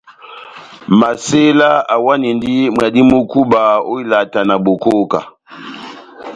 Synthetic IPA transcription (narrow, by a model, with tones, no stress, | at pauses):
ma˨se˦la˦a˨wa˦ni˨ndi˦mwa˨di˦mu˦ku˦ba˨o˦i˦la˨ta˨na˨bo˨ko˦ka̰˨